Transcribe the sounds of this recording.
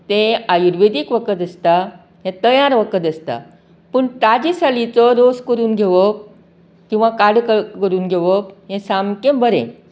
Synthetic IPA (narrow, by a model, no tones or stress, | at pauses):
t̪eajuɾʋed̪ikʋəkət̪əst̪a | ɦẽt̪əjaɾʋəkət̪əst̪a̰ | pəɳʈ̪ad͡ʑisalit͡sɔɾoskəɾuːnɡʱeʋək̚ | kĩw̃ʋakaɽkəkəɾuːnɡʱeʋəkɦẽsamkẽbʱəɾḛ̃